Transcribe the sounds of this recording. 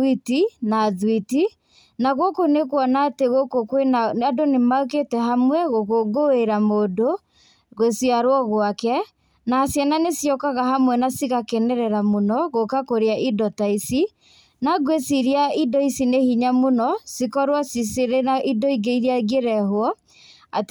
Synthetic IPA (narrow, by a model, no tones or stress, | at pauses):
itinaðwiti | naɣokonekwɔnateɣokokwenaadonemaoketɛɦamwɛɣoɣoɡoeɾamoːdo | ɣosjaɾwɔɣwakɛ | naːsjananesjɔkaɣaɦamwɛnasiɣakenɛɾɛɾamonɔɣokakoɾeaʔidɔtaisi | naɡwesiɾiaidɔisinehiɲamonɔsikɔɾwasiseɾeaʔidɔiɡeiɾjaɣeɾɛɦwɔ | at